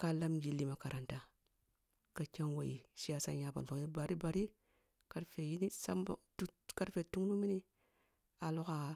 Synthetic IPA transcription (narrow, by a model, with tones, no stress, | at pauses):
ka˦la˦md͡ʒi˨˦lːi˦ma˨˦ka˨ɾʔa˨nta˦ | ka˨t͡ʃa˦nwa̰˨ji˨ʃi˦a˦sa̰˦ja˦ba̰˨fo˨ŋ˦i˦ba˨ɾi˦ba˨ɾi˦ | ka˦ɾfe˨ji˦ni˦sa̰˦m̰˨tu˦ka˦ɾfe˨tu˦ŋnu˦mi˦ni˦ | a˨lo˦ka˨